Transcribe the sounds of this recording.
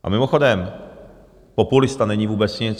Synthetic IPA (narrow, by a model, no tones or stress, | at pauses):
ʔa̰mɪmɔxɔd̪ɛm | pɔpulist̪anɛɲivubɛt̪sɲɛ